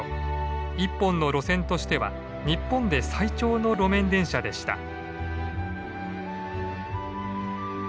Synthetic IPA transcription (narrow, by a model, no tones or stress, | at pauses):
ipːõnːo̞ɾo̞sẽ̞nt̪o̞ɕi̥t̪e̞βa̰ | ɲ̟ipːõ̞nd̪e̞sait͡ɕo̞ːno̞ɾo̞mẽ̞nd̪ẽ̞ɰ̃ɕad̪e̞ɕi̥t̪a̰